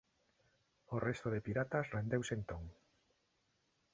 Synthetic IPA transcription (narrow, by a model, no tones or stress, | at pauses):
orest̪oðepiɾat̪asrend̪ewsent̪oŋ